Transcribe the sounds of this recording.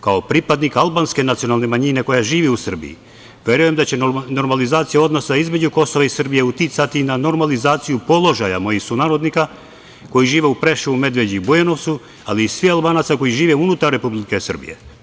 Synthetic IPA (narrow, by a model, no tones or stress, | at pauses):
kaopɾipad̪nikalbaːnske̞nat̪sio̞nalˠne̞maɲine̞ko̞jaʒiːʋiusr̩bḭjḭ | ʋʲje̞ɾuje̞md̪at͡ɕe̞no̞ɾmalizaːt̪sijao̞d̪no̞saizme̞d͡ʑuko̞so̞ʋaisr̩bijeut̪it̪sat̪inano̞ɾmalizaːt̪sijupo̞lˠo̞ʒaja̰mo̞jisunaːɾo̞d̪nika | ko̞jiʒiːʋe̞upɾeʃuume̞d̪ʋe̞d͡ʑibujeno̞ʋt̪su | aliːsʋialˠbaːnat̪sako̞jiʒiːʋeunut̪arːe̞publikesər̩bḭje̞̰